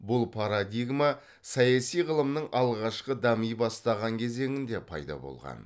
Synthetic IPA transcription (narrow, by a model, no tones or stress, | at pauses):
bʊlˠpʰaɾad̪ʲiɡma | sɑjɑsijʁəlˠəmnəɴʔɑlˠʁɑʃqəd̪ɑmijbɑst̪ɑʁɑŋkʲʰe̞ze̞ŋɪnd̪e̞pʰɑ̰jd̪ɑ̰bo̞̰lˠʁɑ̰n